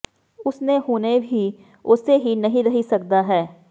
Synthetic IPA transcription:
ʊsneɦoːnebʱi | ʊseɦinɐɦĩɾɐɦisɐk̚d̪aɦɛː

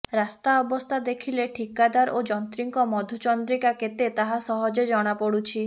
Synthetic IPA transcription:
ɾast̪aɔbɔst̪ʰad̪ekʰileʈʰikad̪aɾod͡ʒɔnt̪ɾiŋkɔmɔd̪ʱot͡ʃɔnd̪ɾikaket̪et̪aɦasɔɦɔd͡ʒed͡ʒɔɽ̃apɔɽut͡ʃʰi

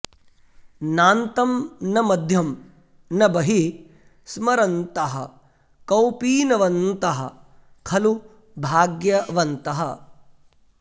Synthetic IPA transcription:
naːnt̪ɐmnɐmɐd̪ʱjɐm | nɐbɐɦi | smɐɾɐnt̪ɐɦɐ̰̆ | kɐwpiːnɐʋɐnt̪ɐɦɐ̰̆ | kʰɐlu | bʱaːɡjɐʋɐnt̪ɐɦɐ

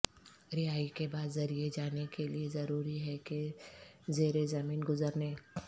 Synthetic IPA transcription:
ɾɪɦaːikebaːd̪zɐɾied͡ʒaːnekeliezɐɾuːɾiɦɛke | zeːɾezɐmiːnɡʊzəɾneː

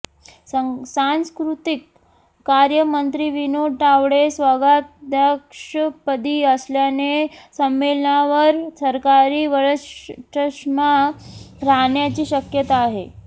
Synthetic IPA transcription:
sanskɾut̪ikː | aɾjəmənt̪ɾiːʋinoʈaʋɽesʋaɡad̪jəkʂəpəd̪iːəsljanesəmːelɳaʋəɾsəɾkaɾiːʋəɾəst͡ɕəʂma | ɾaɳjat͡ɕiːɕəkjət̪aːɦe

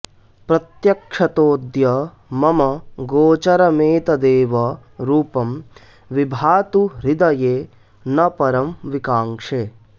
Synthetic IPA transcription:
pɾɐt̪jɐkʂɐt̪oːd̪jɐ | mɐmɐɡoːt͡ʃɐɾɐmeːt̪ɐd̪eːʋɐ | ɾuːpɐm | ʋibʱaːt̪uɾid̪ɐjeː | nɐpɐɾɐmʋikaːŋʂeː

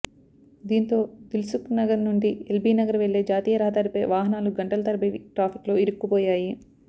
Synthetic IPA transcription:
d̪iːnt̪o̞ːd̪ilsuknɐɡɐɾnuɳɖielbiːnɐɡɐɾɐʋeɭːeːd͡ʒaːt̪iːjɐɾɐɦɐd̪ɐːɾipeːʋaːɦɐnaːluɡɐɳʈɐlɐt̪ɐɾbɐiʈɾaːpʰi̥klo̞ːiɾukːupoːjaːji

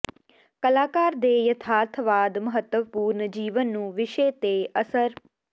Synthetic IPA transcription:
kəlaːkaːɾd̪eːjət̪ʰaːt̪ʰʋaːd̪məɦət̪ːəʋpuːɾnd͡ʒiːʋənːũːʋɪʃeːt̪eːəsəɾ

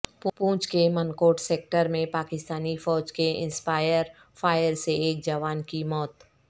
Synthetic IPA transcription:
ppũːt͡ʃkemənkoːʈseːk̚ʈəɾmẽpaːkɪst̪aːnifɔːd͡ʒkeɪ̰̃nspaːjəɾ | fʰaːjəɾseeːk̚d͡ʒɐʋaːnkimɔːt̪

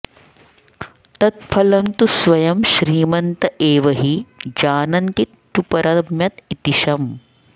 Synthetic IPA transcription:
t̪ɐt̪̚fʰɐlɐmt̪usʋɐjɐmʃɾiːmɐnt̪ɐʔeːʋɐɦid͡ʒaːnɐnt̪it̪t͡ʃupɐɾɐbmjɐt̪it̪iʃɐm

